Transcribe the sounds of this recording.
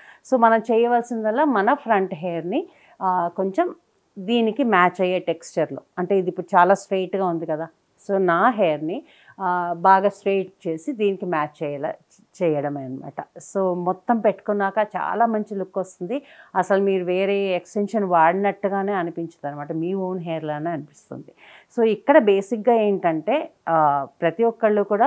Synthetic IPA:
so̞ːmɐnɐmt͡ʃɛːjɐʋaːlsind̪ɐlːaːmɐnɐpʰɾɐɳʈɦeːɐɾni | ko̞ɲt͡ʃem | d̪iːnikimaːt͡ʃɐjeːʈekst͡ʃɐɾlo̰ːɐɳʈe̞ːid̪ipːuɽut͡ʃaːlaːsʈeːʈɡaːund̪ikɐd̪aː | so̞ːnaːɦeːjɐɾni | baːɡaːsʈɾeːʈ̚t͡ʃe̞ːsid̪iːnikimaːt͡ʃt͡ʃɛːjɐlɐ̰ | t͡ʃɛːjɐɽɐmɐnɐma̰ːʈɐsoːmɔt̪ːɐmpeʈːu̥kunːaːkɐt͡ʃa̰ːlaːmɐɲt͡ʃilukːʋɐst̪und̪iɐsɐlmiːɾuʋe̞ːɾeːeksʈenʂɐnʋaːɽinɐʈːuɡaːne̞ːɐnipiɲt͡ʃɐ̥d̪ɐnɐmaːʈɐmiːʋoːnɦeːɐɾlɐneɐnipi̥st̪ṵnd̪i | so̞ːikːɐɽɐbe̞ːsikɡaːe̞ːɳʈɐɳʈe̞ː | pɾɐt̪iʋɔkːɐɭːuːkuːɽaː

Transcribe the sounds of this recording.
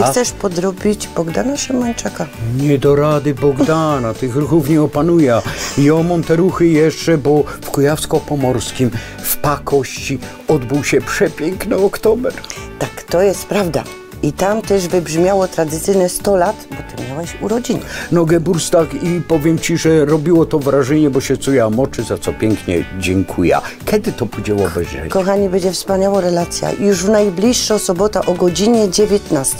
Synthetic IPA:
xsɛʂpɔd̪ɾɔbʲid͡ʑbɔɡd̪anaʂɛmaɲt͡ʂakaɲɛd̪ɔɾad̪ɘbɔɡd̪anat̪ɘxɾuxufɲɛɔpanujɛaijɔmɔmt̪ɛɾuxɘjɛʂt͡ʂɛbɔfkujafskɔpɔmɔɾskʲim | fpakɔɕt͡ɕi | ɔd̪buwɕɛpʂɛpʲjɛŋknɔɔkt̪ɔbɛɾt̪akt̪ɔjɛst̪pɾavd̪a̰ | it̪amt̪ɛʐvɘbʐmʲjawɔt̪ɾad̪ɘt̪sɘjnɛst̪ɔlat̪bɔt̪ɘmʲjawɛɕuɾɔd͡ʑiɲɛnɔɡɛbuɾst̪akipɔvʲjɛmt͡ɕiʐɛɾɔbʲiwɔt̪ɔvɾaʐɛɲɛbɔɕɛt̪sɔjamɔt͡ʂɘzat̪sɔpʲjɛŋkɲɛ̰d͡ʑɛŋkʰujɛ̰kʲɛd̪ɘt̪ɔpud͡ʑɛwɔbɛzʐɛ̰kɔxaɲibɛɲd͡ʑɛfspaɲawaɾɛlat̪sʲja̰juʐvnajblʲiʂːɔsɔbɔt̪aʔɔɡɔd͡ʑiɲɛd͡ʑevʲjɛt̪nast̪ɛ

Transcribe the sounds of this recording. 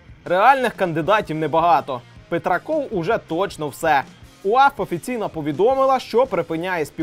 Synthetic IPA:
reɑlʲnɪxkɐnd̪ɪd̪ɑtʲiwnɛbɐɦɑt̪ɔpet̪ɾɐkɔwʊʒɛt̪ɔt͡ʃnɔwsɛuɑfɔfʲit͡sʲijnɐpɔʋʲid̪ɔmɪlˠɐʃt͡ʃɔpɾepɪnʲajɛsʲpʲi

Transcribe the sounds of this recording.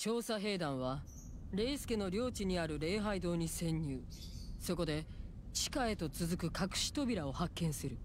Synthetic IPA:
t͡ɕo̞ːsaɦe̞ːd̪ãɰ̃βa | ɾe̞ːsɨ̥ke̞no̞ɾʲo̞ːt͡ɕiɲ̟iaɾɯ̟ɾe̞ːɦaid̪o̞ːɲ̟isẽ̞ɲ̟ːɨː | so̞ko̞d̪e̞ | t͡ɕi̥kae̞t̪o̞t͡sɨzɨkɯ̟kakɯ̟̥ɕi̥t̪o̞bʲiɾao̞hakːẽ̞ɰ̃sɨɾɯ̟

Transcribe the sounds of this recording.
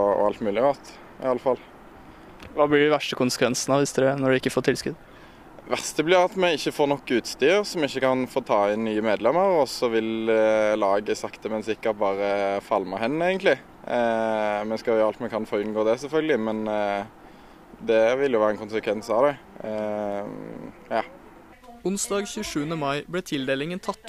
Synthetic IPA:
ɔ̰ɑlt̪mʉːlɪʁɑt̪ | ɪ̰ɑlːəfɑl | ʋɑːblɪɖɪʋæʂʈəkʰʊnsə̥kʰʋɛnsnɑʋɪst̪ʉd̪ɛnɔɖʉɪkːəfoːɾt̪ʰɪlskʉd̪ | ʋæʁst̪əblɪːʁɑt̪mɛɪçːəfoːnɔkːʉːt̪st̪yːɾsɔmɪçːəkʰɑnfoːt̪ʰɑːɪnːyːəmeːd̪lɛmːəʁɔsɔʋɪllɑːɡəsɑkt̪əmɛnsɪkːəʁt̪̚bɑːʁəfɑlməhɛnːæɪɡənt̪lɪ | mɛnskɑljɑlt̪mɛkʰɑnfoːʁʉnɡoːd̪ɛsɛlfœlɡəlɪmɛn | d̪ɛʋɪljʊʋæːəɛnkʊnsəkʰʋɛnsɑʋd̪ɛ | jɑː | ʊnsd̪ɑːɡçʉːʂʉːənəmɑɪblɛːt̪ʰɪld̪eːlɪŋənt̪ʰɑt̪ː

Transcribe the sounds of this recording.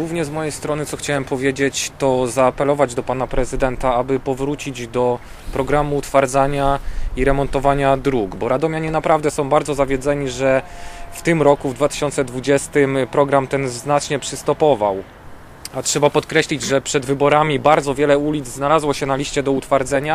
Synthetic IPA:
uvɲɛzmɔjejst̪ɾɔnɘt̪sɔxt͡ɕawɛmpɔvʲjed͡ʑet͡ɕt̪ɔzaːpɛlɔvad͡ʑd̪ɔpanapɾɛzɘd̪ɛnt̪aabɘpɔvɾut͡ɕid͡ʑd̪ɔ | pɾɔɡɾamuːt̪faɾd̪zaɲaiɾɛmɔnt̪ɔvaɲad̪ɾuɡbɔɾad̪ɔmʲjaɲɛnapɾavd̪ɛsɔ̃w̃baɾd̪zɔzavʲjɛd̪zɛɲiʐɛft̪ɘmɾɔkuvd̪vat̪ɘ̥ɕɔnt̪sɛd̪vud͡ʑɛst̪ɘmpɾɔɡɾamt̪ɛnznat͡ʂɲɛpʂɘst̪ɔpɔvaw | atʂɛbapɔt̪kɾɛɕlʲid͡ʑʐɛpʂɛd̪vɘbɔɾamʲibaɾd̪zɔvʲjɛlɛulʲid̪zznalazwɔɕɛnalʲiɕt͡ɕɛd̪ɔut̪faɾd̪zɛɲa

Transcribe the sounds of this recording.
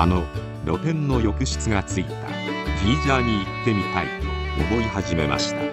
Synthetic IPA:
a̰no̞ | ɾo̞t̪ẽ̞nːo̞jo̞kɯ̟ɕɨ̥t͡sɨɡat͡sɨit̪a̰ɡ̥ʲiːzaːɲ̟iːt̪ːe̞mʲit̪aḭo̰bo̞ihaʑime̞ma̰ɕi̥t̪a

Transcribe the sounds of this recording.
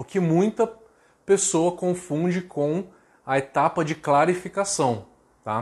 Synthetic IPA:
ʊkɪmũj̃t̪ɐ | pesowɐkõfũd͡ʒɪkʰõw̃ | ɐet̪apɐd͡ʒɪklaɾifikasɐ̃w̃ | t̪a

